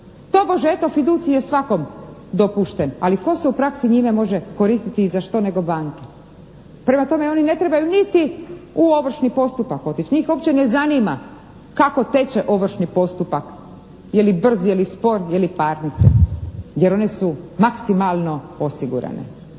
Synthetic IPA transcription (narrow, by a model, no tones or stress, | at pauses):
t̪o̞bo̞ʒeet̪o̞fid̪uːt̪sijesʋako̞md̪o̞puʃt̪enaliko̞seupɾaksiɲimemo̞ʒeko̞ɾist̪it̪izaʃt̪o̞ne̞ɡo̞baːŋke | pɾe̞mat̪o̞me̞o̞nine̞t̪ɾe̞bajunit̪iuo̞ʋr̩ʃnipo̞st̪upako̞t̪it͡ɕɲiːxo̞pt͡ɕene̞zanima̰ | kako̞t̪e̞t͡ɕeʔo̞ʋr̩ʃnipo̞st̪upak | jelibr̩zjelispo̞ɾjelipaːɾnit̪sḛje̞ɾo̞ne̞sumaksimalˠno̞o̞siɡṵɾa̰nḛ